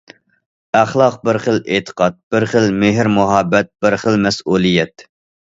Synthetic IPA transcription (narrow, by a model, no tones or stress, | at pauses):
æχlˠɑq̚bɪɾχəlʔet̪ʰə̥qʰɑt̪̚b̥ɪɾχəlmɪɦɪɾmʊɦɑbːɛt̪̚bɪɾχəlmɛsuːlˠijɛt̪